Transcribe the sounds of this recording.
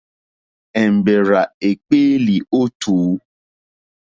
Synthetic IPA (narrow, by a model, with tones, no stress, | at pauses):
ɛ˨m̩˨be˨ɾa˨e˨k͡pe˦li˨o˦tuː˨˦